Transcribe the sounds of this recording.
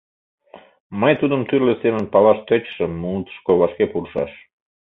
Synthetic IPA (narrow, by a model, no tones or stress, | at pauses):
məjt̪ud̪əmt̪yrlesemənpɑlɑʃt̪øt͡ɕʃəmːuut̪ə̥ʃkoβɑʃkepuɾʃɑ̰ʃ